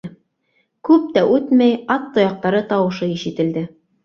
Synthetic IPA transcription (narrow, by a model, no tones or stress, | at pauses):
kʉp̚t̪æʔʉt̪mæjɑt̪ːŏjɑq̚t̪ɑɾɤt̪ɑwɤ̆ʃɤiʃɘ̆t̪ɘ̆ld̪ɘ